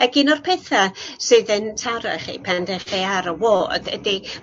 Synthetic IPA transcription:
əɡɪnɔrpʰɛθasɨðəntʰaɾa̰χḭpʰandɛχiaɾəwoːd̥ə̰di

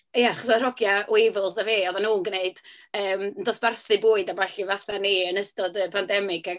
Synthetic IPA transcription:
jaaχɔsarɔɡjaʔwɪvɪlˠsaveːɔðanuːnɡəneɨd | əːmndɔsb̥arθɨbʊːɨdabaɬivaθaniənəstɔdəpʰandɛmɪɡaɡ

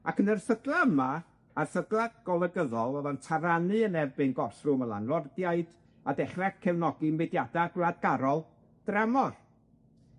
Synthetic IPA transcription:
akənərθəɡlˠaəma | arθəɡlˠaɡ̥ɔlˠəɡəðɔlˠɔðɔntʰaɾanɨənɛrbɨnɡɔrθrʊmənlˠa̰nlˠɔrdjaɨd̥ | adɛχraɡ̥kʰɛvnɔɡɨmɛdjadaɡlad̚ɡaɾɔlˠ | d̥ramɔr

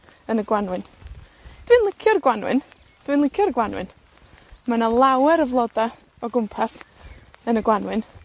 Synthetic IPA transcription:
ənəɡwanwɨn | d̥wɨnlˠɪkʰjʊrɡwanwɨ̰n | d̥wɨnlˠɪkʰʊrɡwanwɨ̰n | manalˠawɛɾəvlˠɔda | ɔɡʊmpʰas | ənəɡwanwɨn

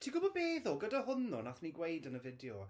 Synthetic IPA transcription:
tʰiːɡʊbɔbeːðʊlˠɡədaɦʊnɔ̰naθniɡwejdənəvɪdjɔ

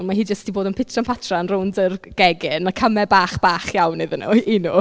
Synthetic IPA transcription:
nmaɦiːd͡ʒəstd̥iboːdənpʰɪtʰranpʰatʰranrʊwndərɡ̥ɛɡɪnakʰəmɛbaːχb̥aːχjawnːeðənṵinu

